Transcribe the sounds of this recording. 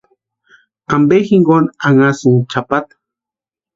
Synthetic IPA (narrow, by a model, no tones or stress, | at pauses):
ambexiŋɡonaŋasuŋt͡ʃapat̪ḁ